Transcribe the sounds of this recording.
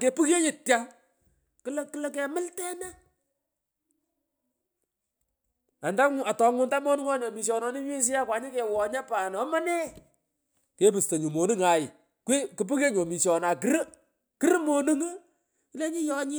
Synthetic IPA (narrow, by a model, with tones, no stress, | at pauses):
ke˨pu˦ke˦ɲɪ˨tja˦ | kɨ˦lkɨ˦lə˦ke˨mɪ˦ltɛ˦na˦ | a˨nda˦ŋ˨a˨tɔ˨ŋʊ˨nta˦mo˦nu˦ŋɔ˦ɲɔ˨mi˨ʃɔ˨nɔ˨nɪ˦ɲe˦s̬ɪ˦a˦kwa˨ɲɪ˦ke˨wɔ˨ɲa˦pa˨nɔ˦ma˦nɛ˦ | ke˦pɨ˨sto˨ɲu˨mo˨nɨ˦ŋa˨jɪ˨ | ke˦kɨ˨p̬ɨ˦ke˦ɲo˨mi˨ʃɔ˨na˨kɨ˦ɾ | kɨ˦ɾmo˦nu˦ŋɨ˦ | ɪ˦le˦ɲɪ˦jɔ˦ɲɪ˦